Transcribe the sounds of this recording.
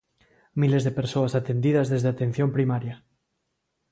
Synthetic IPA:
milezðepe̞ɾsoasat̪end̪iðazðezðeat̪e̞n̟θjo̞mpɾimaɾja

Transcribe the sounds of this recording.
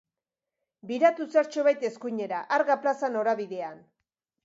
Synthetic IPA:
biɾat̪usaɾt͡ʃo̞βajt̪e̞skuɲe̞ɾaʔaɾɣaplasano̞ɾaβiðe̞an

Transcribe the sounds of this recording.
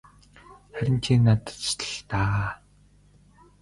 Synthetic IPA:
χæɾʲɪ̆nt͡ɕʰinat̪ə̥̆t̪t̪ʰə̥̆ɬt̪aː

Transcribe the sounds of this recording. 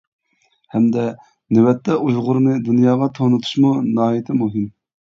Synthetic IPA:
hɛmd̪ɛ | nɪwɛt̪ʰːɛʔuzʁʊɾnɨd̪unjɑːʁɑt̪ʰonut̪ʰu̥ʃmunɑːit̪ʰɪmuɦɪm

